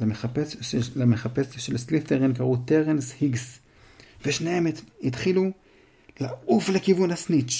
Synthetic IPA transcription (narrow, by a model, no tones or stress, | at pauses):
eapelameχapesʃelslifeʁinkaʁut̪eʁenshiɡs | veʃnehemthit̪χilu | lauflekivunhasnit͡ʃ